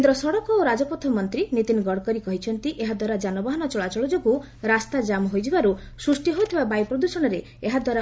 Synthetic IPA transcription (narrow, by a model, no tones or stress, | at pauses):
kend̪ɾɔsɔɽɔkɔoɾad͡ʒɔpɔt̪ʰɔmɔnt̪ɾinit̪inɡɔɽkɔɾikɔɦit͡ʃʰɔnt̪iʔeɦad̪waɾad͡ʒanɔbaɦɔnɔt͡ʃɔɭat͡ʃɔɭɔd͡ʒoɡu | ɾast̪ad͡ʒamɔɦojd͡ʒibaɾu | sɾusʈiɦojt̪ʰibabajpɾɔd̪usɔɽ̃ɔɾe | eɦad̪waɾa